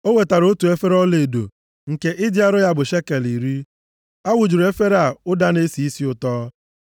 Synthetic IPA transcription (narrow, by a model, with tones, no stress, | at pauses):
o˦we˨ta˨ɾo˦tu˨e˦fe˦ɾɔ˦le˨e˨do̰˨ | ŋ̩˨ke˦ʔɪ˦di˦a˦ɾʊ˦ja˦bʊ˨ʃe˦ke˨li˨ɾi˦ | a˦wʊ˨d͡ʒu˨ɾe˦fe˦ɾa˨ʊ˦da˦ne˦si˦i˦si˦ʊ˨tɔː˦